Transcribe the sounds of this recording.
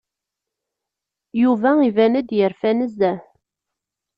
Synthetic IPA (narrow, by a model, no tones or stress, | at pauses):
juvæivænəd̪jəɾfænəzæ